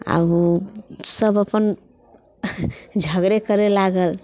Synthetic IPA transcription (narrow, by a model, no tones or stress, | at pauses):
a̰busəbəpən | d͡ʒʱəɡɽekəɾelaɡəl